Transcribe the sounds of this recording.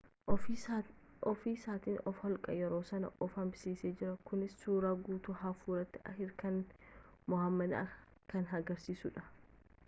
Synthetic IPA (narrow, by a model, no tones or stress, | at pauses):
ɔfiːsaːt̪iːnɔfhɔlkʼɐjɛɾo̞ːsɐnɐ̰ʔɔfɐnbɪsiːseːd͡ʒɪɾɐkʊnɪsːuːɾaːɡuːt̪uhɐfuːɾɐt̪ːɪʔɐ̰hɪɾkɐn | mʊhɐmːɐd̪ɐ̰ | kɐnɦɐɡɐɾsiːsʊᶑɐ